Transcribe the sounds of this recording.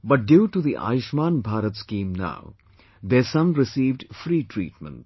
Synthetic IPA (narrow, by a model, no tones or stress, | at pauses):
bʌʈ̚ɖjuːʈud̪iʔa̰ːjʊʃmãːnbʱaːɾət̪skĩːmna̰ʊ | d̪esʌ̃mɾɪsiːʋɖfɾiːʈʰɾḭːʈ̚mə̰̃nʈ̚